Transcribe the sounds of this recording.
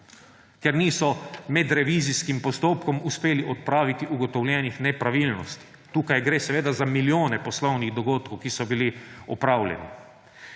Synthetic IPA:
kɛɾniːsɔmɛd̪ɾɛʋiziskimpɔst̪oːpkɔmuspeːliʔɔt̪̚pɾaːʋit̪iʔuɡɔt̪ɔwlʲjɛnixnɛpɾaʋilnɔst̪i̥ | t̪uːkajɡɾeːsɛʋeːd̪azamiljoːnɛpɔslɔwniɣd̪ɔɡoːt̪kowkisɔbiliɔpɾaːwlʲjɛ̰nḭ

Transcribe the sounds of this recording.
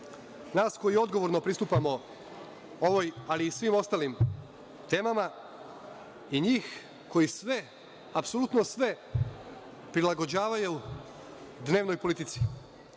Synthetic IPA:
naːsko̞jio̞d̪ɡoʋo̞ɾno̞pɾist̪uːpamo̞ | o̞ʋo̞jaliːsʋiːmo̞st̪aːlim | t̪e̞ːmama | iɲiːx | ko̞jisʋe | apsolut̪nosʋe | pɾilaɡo̞d͡ʑaːʋajeu | d̪ne̞ːʋno̞jpolit̪it̪si̥

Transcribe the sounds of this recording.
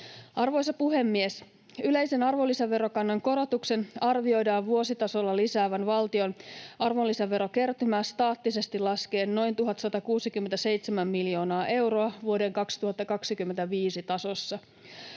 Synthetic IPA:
ɑrʋojs̬ɑpuɦe̞mːies | yle̞jse̞nɑrʋolːisɑʋːe̞ɾo̞kɑnːɑŋko̞ɾo̞t̪ukse̞nɑrʋio̞jdɑːʋʋuo̞sit̪ɑso̞lːɑlisæːʋænʋɑlt̪io̞nɑrʋolːisæʋːe̞ɾo̞ke̞rt̪ymæːst̪ɑːt̪ːise̞st̪ilɑske̞ːnːo̞jnt̪uɦɑt̪sɑt̪ɑkuːsikymːent̪æse̞jt̪semæmːiljo̞ːnɑːʔe̞wɾo̞ɑʋuo̞deŋkɑksi̥t̪uhɑt̪ːɑkɑksikymːent̪æʋiːsit̪ɑso̞sːɑ

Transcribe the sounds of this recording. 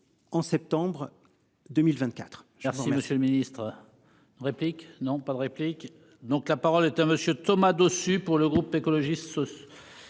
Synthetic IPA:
ɑ̃sɛp̚t̪ɑ̃bʁ | d̪əmilvɛ̃t̪̚kʲat̪χʒɛʁsʁimɛməsjøləminist̪χ | ʁepliknɔ̃pad̪əʁeplik | d̪ɔ̃klapaʁɔlɛt̪aməsjøt̪ɔmad̪osypuʁləɡʁupekɔlɔʒist̪sɔ

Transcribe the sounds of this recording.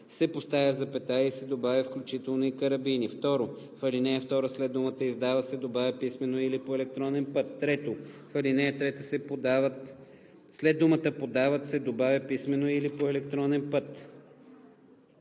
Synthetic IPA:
sɛpost̪avʲəzɐpɛt̪aisɛd̪obavʲɐfklʲut͡ʃit̪ɛlˠnoikəɾɐbinift̪ɔɾo | fɐlinɛɛft̪ɔɾəslɛd̪̚d̪umət̪əizd̪avəsɛd̪obavʲɐpismɛnoilipoɛlɛk̚t̪ɾɔnɛnpət̪ːɾɛt̪ofɐlinɛt̪ɾɛt̪əsɛpd̪avət̪ | slɛd̪̚umət̪əpod̪avət̪sɛd̪obavʲɐpismɛnoilipoɛlɛk̚t̪ɾɔnɛnpɤt̪

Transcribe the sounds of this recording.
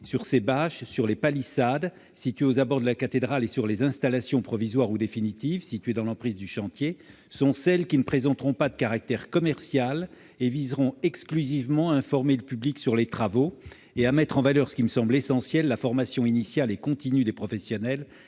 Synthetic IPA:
syʁsebaʃsyʁlepalisad̪ | sit̪ɥeozabɔʁd̪əlakat̪ed̪ʁalesyʁlezɛ̃st̪alasjɔ̃pχɔvizwaʁud̪efinit̪ivsit̪ɥed̪ɑ̃lɑ̃pχizd̪yʃɑ̃t̪je | sɔ̃sɛlkʲinəpχezɑ̃t̪ʁɔ̃pad̪əkaʁak̚t̪ɛʁkɔmɛʁsjal | evizʁɔ̃ɛksklyzivmɑ̃aɛ̃fɔʁmeləpybliksyʁlet̪χavo | eamɛt̪χɑ̃valœʁsə̥kʲiməsɑ̃blesɑ̃sjɛlːafɔʁmasjɔ̃inisjalekɔ̃t̪inyd̪epχɔfɛsjɔnɛl

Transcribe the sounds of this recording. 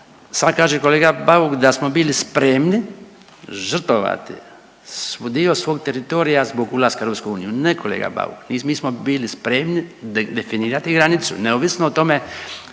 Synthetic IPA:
sakaːʒeko̞leːɡabaukd̪asmo̞biːlispɾemni | ʒr̩t̪oʋa̰t̪ḭ | sod̪iosʋo̞ːɡ̚t̪eɾit̪o̞ːɾijazboɡulaskaeɾopskuuːnijuneko̞lḛːɡa̰ba̰ʋṵknimiːsmobiːlispɾeːmnid̪efiniːɾat̪iɡɾanit̪sṵneoːʋisnoot̪o̞me

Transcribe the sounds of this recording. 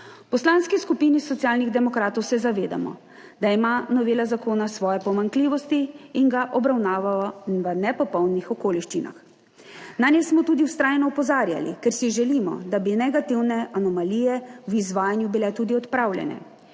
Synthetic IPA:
pɔslaːnskiskupinisɔt̪sijaːlniɣd̪ɛmɔkɾaːt̪ɔwsɛzaʋeːd̪a̰mɔ̰ | d̪aimanɔʋeːlazakoːnasʋɔːjɛpɔmaŋkliːʋɔst̪iːŋɡaʔɔbɾawnaːʋaɔʋənɛpɔpɔwnnixɔkoːliʃt͡ʃina̰x | nanɛsmɔt̪uːd̪iuwst̪ɾaːjnɔupɔzaːɾja̰lḭkɛɾsiʒɛlimɔ̰d̪abinɛɡat̪iwnɛʔanɔmalijɛwizʋaːjanjubilɛt̪uːd̪iɔt̪pɾaːwlʲjɛ̰nɛ̰

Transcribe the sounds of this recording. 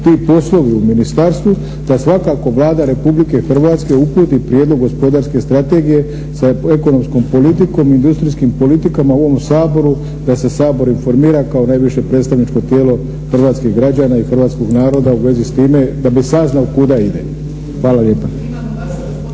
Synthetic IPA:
t̪iːpo̞slˠo̞ʋiuminist̪aɾst̪ʋu | d̪asʋakako̞ʋlˠaːd̪aɾe̞publike̞xr̩ʋaːt̪ske̞upuːt̪ipɾjed̪lo̞ɡːo̞spo̞d̪aɾske̞st̪ɾat̪e̞ɡije̞ | sae̞ko̞no̞msko̞mpo̞lit̪̬iko̞miind̪ust̪ɾiskimpo̞lit̪ikamaoʋo̞msaːbo̞ɾu | d̪ase̞saːbo̞ɾinfo̞ɾmiːɾakaonajʋiʃe̞pɾe̞ːt̪st̪aʋnit͡ʃko̞t̪je̞ːlo̞ | xr̩ʋaːt̪skiɣɡɾad͡ʑaːnaixr̩ʋaːt̪sko̞ɡnaːɾo̞d̪auʋe̞zist̪iːme̞d̪abisaznaokud̪aid̪e̞̰ | xʋaːlalje̞ːpa

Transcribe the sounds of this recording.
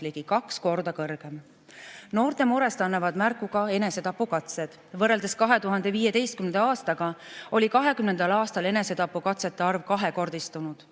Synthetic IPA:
liɡ̥ikɑksko̞rd̪̥ɑkɤrɡ̥e̞m | no̞ːrt̪e̞muɾe̞st̪ɑnːɑvɑd̪̥mærkˑuɡ̥ɑe̞ne̞se̞t̪ɑpːukɑt̪se̞d̪̥vɤrːe̞ld̪̥e̞skɑɦe̞t̪uɦɑnd̪̥e̞viːje̞t̪e̞jst̪̚kymned̪ɑɑːst̪ɑɡ̥ɑo̞lʲikɑɦe̞kymnend̪̥ɑlɑːst̪ɑle̞ne̞se̞t̪ɑpːukɑt̪set̪ːeɑrvkɑɦe̞ko̞rd̪̥ist̪unud̪̥

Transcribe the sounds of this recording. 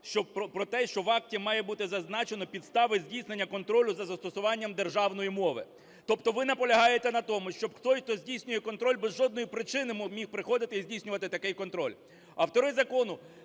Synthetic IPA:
ʃt͡ʃɔpɔpɾɔt̪ɛʃt͡ʃɔʋɑk̚tʲimɑjɛbut̪ɪzɐznɑt͡ʃenɔpʲid̪st̪ɑʋɪzʲdʲijsnenʲːɐkɔnt̪ɾɔlʲʊzɐzɐst̪ɔsʊʋɑnʲːɐmd̪erʒɑwnɔjimɔʋɪ̰ | t̪ɔpt̪ɔʋɪnɐpɔlʲɐɦɑjet̪ɛnɐt̪ɔmʊʃt͡ʃɔbxt̪ɔjxt̪ɔzʲdʲijsʲnʲʊjɛkɔn̪t̪ɾɔlʲbɛzʒɔd̪nɔjipɾɪt͡ʃɪnɪmmʲixpɾɪxɔd̪ɪt̪ɪizʲdʲijsʲnʲʊʋɐt̪ɪt̪ɐkɛjkɔnt̪ɾɔlʲ | ɐwt̪ɔɾɪzɐkɔnʊ

